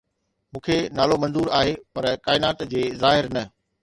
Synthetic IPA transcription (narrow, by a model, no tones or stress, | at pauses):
mũːkʰenaːlomɐ̃nzuːɾaːɦepɐɾkaːɪnaːt̪d͡ʑeːzaːɦɪɾnɐ